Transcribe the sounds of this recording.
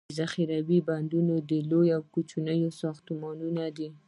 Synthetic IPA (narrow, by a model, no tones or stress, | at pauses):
zaxiɾawiband̪unod̪əlojawkut͡ʃunəjosɑxt̪umɑnunad̪i